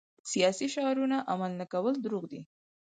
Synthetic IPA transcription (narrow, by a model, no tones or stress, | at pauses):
sijɑsiʃɑɾunaʔamalnakawəld̪ɾuɣd̪ḭ